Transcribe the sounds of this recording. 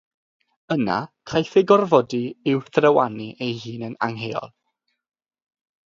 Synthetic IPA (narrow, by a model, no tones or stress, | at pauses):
əna̰kʰajθeɡɔrvɔdiɪwθrəwaniʔejhiːnənaŋɦeːɔ̰lˠ